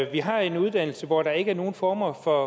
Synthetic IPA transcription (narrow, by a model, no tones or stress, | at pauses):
ʋiɦɑ̈e̝nuð̞ˠd̥æn̰l̩səʋɒd̥ɑ̈e̝ɡəæɐno̝ːn̩fɒːmɐfɒ